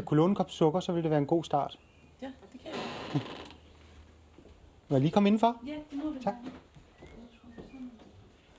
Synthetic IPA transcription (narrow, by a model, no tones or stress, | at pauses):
ækʰo̝loːn̩kʰɒ̽msɔ̽ɡ̥ɐsɒ̽ʋe̝ld̥eʋæːɐe̝nɡo̝̰ːsd̥ɑ̈ːd̥ | ʋæliːkʰɒ̽me̝n̩fɒ̽t͡sʰɑɡ̥